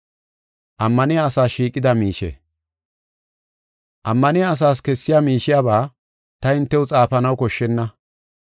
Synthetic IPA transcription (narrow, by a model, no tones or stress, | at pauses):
ʔɐmːɐnɪjaːsaːʃiːkʼːɪd̪ɐmiːʃɛ̰ | ʔɐmːɐnɪjaːs̬aːs̬kɛsːɪjaːmiːʃɪjaːbaː | t̪ɐɪnt̪ːɛwʊt͡sʼaːfɐnɐwkɔʃːɛnːɐ